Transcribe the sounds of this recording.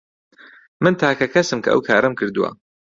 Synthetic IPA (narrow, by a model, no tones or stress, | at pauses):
mɨnt̪ʰaːkɐkʰɐsɨmkʰɐ̰ʔɐ̰wkʰaːɾɐmkʰɨɾd̪uwɐ̰